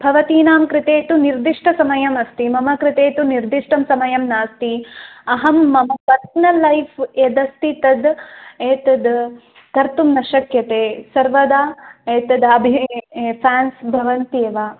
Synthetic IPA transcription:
bʱɐʋɐt̪iːnaːmkɾɪt̪eːt̪uniɾd̪iʂʈʰɐsɐmɐjɐmɐst̪imɐmɐkɾɪt̪eːt̪uniɾd̪iʂʈɐmsɐmɐjɐmnaːst̪iɐɦɐmːɐmpɐɾsɐnɐlːɐjfʰed̪ɐst̪it̪ɐd̪eːt̪ɐd̪ | kɐɾt̪umnɐʃɐkjɐt̪eːsɐɾʋɐd̪aːeːt̪ɐd̪ɐbʱipʰaːnsbʱɐʋɐnt̪eːʋaː

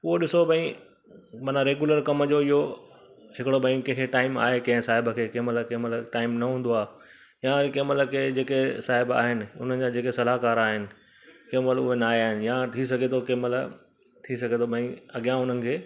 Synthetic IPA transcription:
ʊɦoɗɪsobʱɐ̃ĩ | mɐːnãɾeːɡjʊləɾkɐməd͡ʑoɪɦo | ɦɪkɪɽobʱɐ̃ĩkɛ̃ɦkʰeʈaːɪma̰ːɦekɐ̃ɦɪ̃saːɦɪbəkʰeːkẽːməlkẽːməlʈaːɪmnɐɦũːnd̪oaːɦe | jãkemələkʰed͡ʑeːkesaːɦɪba̰ːɦɪnɪ̆ʊ̰n̤əd͡ʑad͡ʑeːkesɐlaːkaːɾaːɦɪnɪ̆ | keːməlʊɦenaːiaːɦɪnɪ̆jat̪ʰis̬ɐɡʱet̪ʰokeːməl | t̪ʰisɐɡʱet̪ʰobʱɐ̃ĩɐɡijãʊn̤ənɪ̆kʰeː

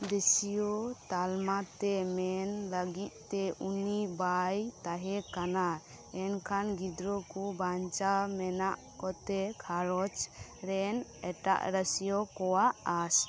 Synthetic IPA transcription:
d̪ɛsijɔt̪almat̪ɛmɛnləɡit̪̚ˀt̪ɛunibajt̪aɦɛkana | ɛnkʰanɡid̪ɾɔkubaɲt͡ʃamɛnaʔ | kɔt̪ɛkʰaɾɔt͡ʃɾɛnɛʈa̰ʔɾəsijɔkɔwaʔas

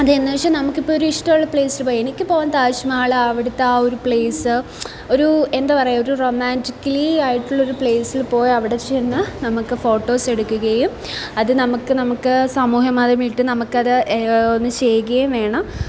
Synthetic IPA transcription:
ɐðɨenːɨʋɐʂɐmnɐmukːipːoːoɾuiʂʈɐmɐɭːɐpɭe̞ːsilpoːjenikʲːɨpo̞ːɐnt̪aːɕɐmaːɭɨɐʋiɽut̪ːao̞ɾupɭe̞ːsɨ | o̞ɾue̞nd̪apɐrɐjo̞ɾuro̞maːndikːɐliaːjiʈːuɭːɐo̞ɾupɭeːsilpo̞ːjɐʋiɽe̞t͡ɕenːɨnɐmukːɨfo̞ːʈːo̞ːse̞ɽukːuɣɐjum | ɐðɨnɐmukːɨnɐmukːɨsɐmuːɦɐmaːðɐmiʈːɨnɐmukːɐðɨonːɨt͡ɕe̞juɣɐjumʋe̞ːɳɐm

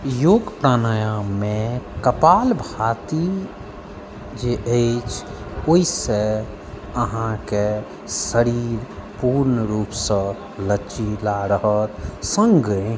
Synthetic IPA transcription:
joːɡpɾanəjamẽkəpaːlbʱat̪i | d͡ʒeʔəɪt͡ʃʰ | oise | əɦãke | səɾiɾpuːɾnəɾuːpsə̃ | lət͡ʃilaɾəɦət̪sə̃ŋɡɡəẽ

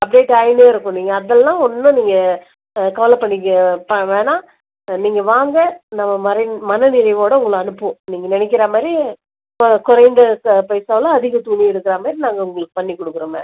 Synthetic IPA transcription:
ɐp̚ɖeːʈːɐɪneːɪɾɯkːʊ̃niːŋɡɐːðɛlːãːɔnːɯ̃niːŋɡɐ | kɐʋɐlɐpɐɳːɪkːpɐʋeːnaː | niːŋɡɐʋaːŋɡɐnɐmːɐmɐɾɐmɐnɐnɪɾɐɪʋoːɽɐʊ̃ŋɡɐɭɯɐnɯpːɯ̃niːŋɡɐnɪnɛk̬ːɪɾaːmaːɾi | mkʊɾɐɪnd̪ɐpɐjsaːʋlãːɐðɪɣɐt̪uːniɪɾɯkːɯɾaːmaːd̪ɾinaːŋɡɐʊŋɡɐɭɯkːɯ̥pɐɳːikɔɽɯkːɯɾɯmɐ̰̃

